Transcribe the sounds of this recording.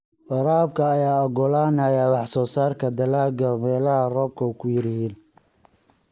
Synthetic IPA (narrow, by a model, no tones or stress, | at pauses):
wɑɾaːb̚kʰɐːjaːɔɡɔlaːnɐjaːwɑħsɔːsaːrkʰɐd̪ɐlaːɡɐmɛːlɐhɐrɔːb̚kʰɔkʰʊjɪɾɪhiːn